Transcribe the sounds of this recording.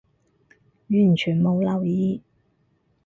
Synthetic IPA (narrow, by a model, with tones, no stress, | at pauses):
jyː˨˩nt͡ʃʰyː˨˩nmo˨˧wlɐ˨˩wjiː˧